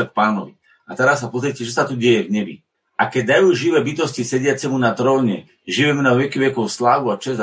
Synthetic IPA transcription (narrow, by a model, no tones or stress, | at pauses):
ɛk̚paːnɔʋi | at̪ɛɾasːapɔzɾiɛcɛt͡ʃɔsat̪uɟɛjɛvɲɛbḭ | ʔakɛɟ̚d̪ajuːʒiʋɛːbit̪ɔscisɛɟɪat͡sɛmunat̪ɾɔʊɲɛ̰ | ʒiʋɛmɛnaɔʋɛkiʋjɛkɔʊslaːʋuat͡ʃɛz